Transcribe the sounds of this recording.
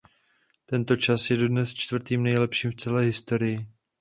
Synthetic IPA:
t̪ɛnt̪o̞t͡ʃasjɛdo̞dnɛst͡ʃt̪vr̩t̪iːmnɛjlɛpʃiːmft͡sɛlɛːɦɪst̪o̞ɾɪjɪ

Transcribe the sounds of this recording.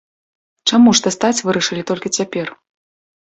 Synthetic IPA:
t͡ʂamuʂt̪ɐst̪at͡sʲvɨɾɐʂɨlʲit̪ɔlʲkʲit͡sʲapʲɛr

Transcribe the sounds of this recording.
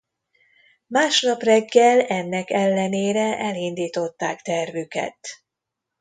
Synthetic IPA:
maːʃnɒprɛɡːɛlɛnːɛkɛlːɛneːɾɛʔɛlind̪iːt̪o̞t̪ːaːkt̪ɛrvykɛ̰t̪

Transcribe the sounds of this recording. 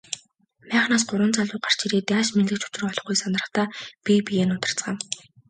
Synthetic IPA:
mæːχnaːs̬ɢʊɾə̆nt͡saɮʊːɢar̥t͡ɕiɾiːt̪jaːʃmenɮɘ̆k̚t͡ɕʊ̥t͡ɕɪ̆rɔɮɞ̆χɡujsanərə̆χt̪aːpʲipijeːnʊt̪ə̆r̥t͡sɢaːw

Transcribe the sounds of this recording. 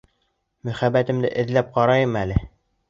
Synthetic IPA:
mɵ̆χæbːæt̪ɘ̆md̪ɘ̰ʔɘ̆ðlæp̚qɑɾɑjɤmælɘ

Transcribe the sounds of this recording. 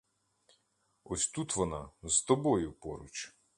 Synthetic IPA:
ɔsʲt̪ut̪ʋɔnɑzt̪ɔbɔjʊpɔɾʊ̰t͡ʃ

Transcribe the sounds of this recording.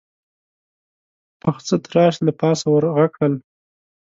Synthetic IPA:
pəxt͡sət̪ɾɑʃlapɑsawəɾɣakəl

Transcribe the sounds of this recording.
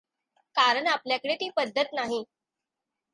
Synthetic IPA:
kaɾəɳapljakəɽet̪iːpəd̪ʱːət̪naɦi

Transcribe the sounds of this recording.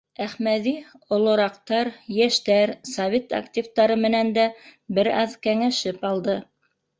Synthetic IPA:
æχmæði | ŏlˠŏɾɑqt̪ɑɾjæʃt̪æɾsɐvʲet̪a̰ktʲivt̪ɑɾɤmɘ̆nænd̪æbɘɾɑ̰ðkæŋæʃɘpɑlˠd̪ɤ

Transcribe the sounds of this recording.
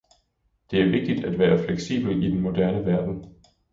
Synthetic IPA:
d̥e̝æɐʋe̝ɡ̥̚d̥id̥æd̥ʋæːɐfleɡ̥sḭːb̥l̩id̥enmo̝d̥æɐnəʋæɐd̥n̩

